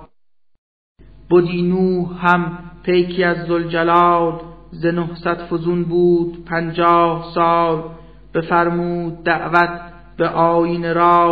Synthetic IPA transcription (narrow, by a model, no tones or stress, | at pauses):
b̥od̪iːnuːhæmpʰejkʰiæzːold͡ʒælɒːd̪zenohsæd̪fozunbuːd̪̥pʰænd͡ʒɒːhsɑːl | b̥efæɾmuːd̪̚ːæʔvæt̪̚ʰ | b̥eʔɒːjiːneɾɑː